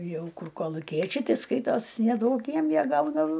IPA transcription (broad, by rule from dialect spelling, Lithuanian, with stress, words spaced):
ˈjɛʊ ˈkʊr koːlˠʊˈkʲiɛt͡ʃʲɛɪ ˈtʲɪ ˈskɐɪtoːs nʲɛˈduɔk ˈjiɛm ˈjiɛ ˈɡɐʊdɐw